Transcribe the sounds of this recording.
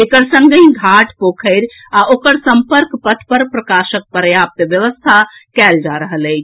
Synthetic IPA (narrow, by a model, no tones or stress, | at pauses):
ekəɾsə̃ŋɡəĩɡʱaʈpokʰəɪɾ | aʔokəɾsəmpəɾkpət̪ʰpəɾpɾəkaʃək̚pəɾjap̚t̪ʋjəʋəst̪ʰakɛld͡ʒaɾəɦələɪt͡ʃʰ